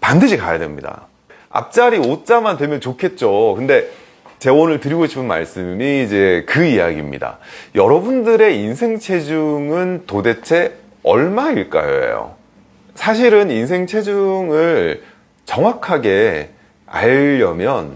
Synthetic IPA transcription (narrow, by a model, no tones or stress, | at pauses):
pandɯɕʰikajade̞̰mɲida̰ | a̰p̚t͡ɕ͈aɾiot͡ɕ͈amantwemjʌnt͡ɕokʰet̚t͡ɕ͈okɯnde̞ | t͡ɕe̞wonɯɭtɯɾiɡoɕʰi̥pʰɯnma̰ɭs͈ɯmiːd͡ʑe̞kɯija̰ɡḭmɲḭda̰jʌɾʌbundɯɾe̞insʰe̞ŋt͡ɕʰe̞d͡ʑuŋɯntode̞t͡ɕʰe̞ | ʌɭmaiɭk͈a̰jo̰jo̰ | sʰaɕ̬ʰiɾɯninsʰe̞ŋt͡ɕʰe̞d͡ʑuŋɯɭ | t͡ɕʌŋwakʰaɡe̞ | a̰ʎːʌmjʌn